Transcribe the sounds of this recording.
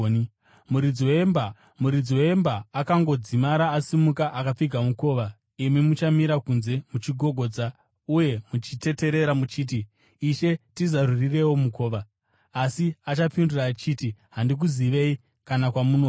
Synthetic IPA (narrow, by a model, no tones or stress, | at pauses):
muɾid͡ziwemb | muɾid͡ziwembaːkaŋɡo̞d͡zimaɾaːsimukaʔakap͡fiɡʱamuko̞ːʋa | imimut͡ʃamiɾakunze̞mut͡ʃiɡʱo̞ɡʱo̞d͡za | uje̞mut͡ʃite̞te̞ɾe̞ɾamut͡ʃiːt̬iː | ʃe̞tizarurire̞womuko̞ːʋaː | siat͡ʃap͡finduraːt͡ʃitiɦandik̬uziʋe̞i | kanakwamuno